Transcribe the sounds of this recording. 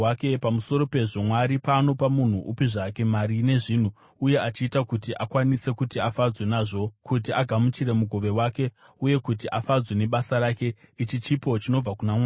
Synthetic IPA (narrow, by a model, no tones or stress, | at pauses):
akepamuso̞ɾo̞pe̞ʐo̞mwaɾipano̞pamun̤uʔupiʐake̞maɾine̞ʐiːn̤u | uje̞ʔat͡ʃiːtakutiʔakwanise̞kutiafad͡zwe̞naʐo̞kʰut̬iaɡʱamut͡ʃiɾe̞muɡʱo̞ʋe̞waːke̞ | uje̞kutiʔafad͡zwe̞ne̞ɓasaɾake̞it͡ʃit͡ʃipo̞t͡ʃino̞b͡vakunamaː